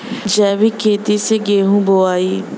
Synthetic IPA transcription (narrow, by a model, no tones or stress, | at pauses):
d͡ʒɛːbikʰeːt̪iseːɡeːɦũːboaːiː